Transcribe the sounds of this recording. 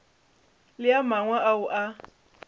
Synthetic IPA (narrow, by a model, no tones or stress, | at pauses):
lɪamaŋwaʔaʊʔa